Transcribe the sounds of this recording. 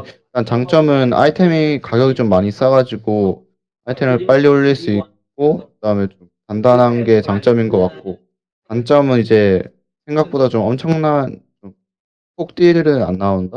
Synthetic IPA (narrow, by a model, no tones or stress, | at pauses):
ik͈ant͡ɕaŋt͡ɕ͈ʌmɯna̰itʰe̞mikaɡjʌɡit͡ɕomːaɲis͈aɡad͡ʑiɡo | aitʰemɯɭp͈aʎːioʎːiɭs͈uik̚k͈̚okkɯdaɯmet͡ɕomkandanɦanɡe̞t͡ɕaŋt͡ɕ͈ʌminɡʌk͈at̚k͈o | kant͡ɕ͈ʌmɯnid͡ʑe̞ | sʰe̞ŋɡak̚p͈odat͡ɕomʌmt͡ɕʰʌŋnant͡ɕom | pʰok̚t͈iɾɯɾɯna̰nːaonda